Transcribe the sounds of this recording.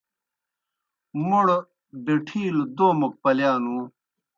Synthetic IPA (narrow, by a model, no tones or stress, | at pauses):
muɽ | ɖeʈʰiːld̪oːmɐk̚pɐljaːnũː